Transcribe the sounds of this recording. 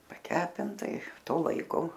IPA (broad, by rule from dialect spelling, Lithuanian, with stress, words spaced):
pɐˈkʲæːpʲɪntɐ ɪ ˈtoː ˈlˠɐɪkoː